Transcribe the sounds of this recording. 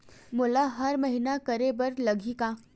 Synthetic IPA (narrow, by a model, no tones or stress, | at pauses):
mulaɦəɾməɦinakəɾebəɾləɡʱika